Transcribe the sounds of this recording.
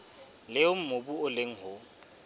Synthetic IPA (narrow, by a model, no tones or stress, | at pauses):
lɪʊm̩mobuʊleŋ̩hʊ